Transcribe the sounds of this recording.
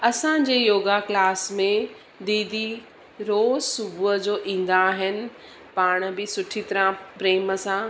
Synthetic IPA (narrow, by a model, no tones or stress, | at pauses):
ɐsãd͡ʑeːjoːɡaklaːsmẽ | d̪iːd̪ʱi | ɾoːzsʊbʱuəd͡ʑoːʔĩːn̆d̪aɦɪnɪ̆ | paːɽ̃bɪsʊʈʰit̪ɐɾãpɾeːməsã